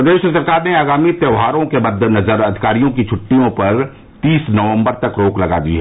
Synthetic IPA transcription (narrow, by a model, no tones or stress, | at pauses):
pɐd̪eːʃsɐɾkaːɾneaːɡaːmit̪jəʋɦaːɾõkebɐd̪ʱːnɐzəɾɐd̪ʱɪkaːɾijõkit͡ʃʰʊʈːijõpɐɾ | t̪iːsnɐʋə̃mbəɾt̪ɐkɾoːklɐɡa̰ːd̪ḭɦɛː